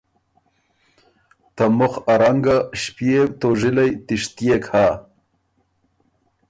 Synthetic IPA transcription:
t̪amʊxaɾaŋɡaʃpjewt̪oʒɪlajt̪ɪʂt̪jekha

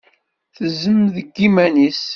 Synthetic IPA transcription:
θəzəmðəɡːimænis

